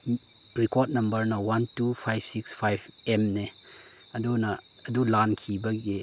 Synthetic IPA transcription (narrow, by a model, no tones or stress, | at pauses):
ɾikot̚nɐmbɐɾnɐwantupʰajb̥̚ʰsikspʰajb | emne | ɐdunɐː | dulankʰibɐɡi